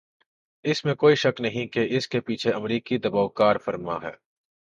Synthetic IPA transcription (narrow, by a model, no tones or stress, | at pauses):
ɪsmẽkoːiʃɐknɐɦĩkeʔɪskepiːt͡ʃʰeɐmɾiːkid̪ɐbaːʊkaːɾfɐɾma̰ɦɛ̰ː